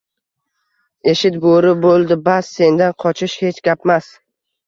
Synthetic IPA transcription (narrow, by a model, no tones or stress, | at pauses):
eʃɪt̪̚boɾɪbolˠd̪ɪbasːe̞nd̪anqʰɒt͡ʃʰɪʃhe̞t͡ʃɡʲapmas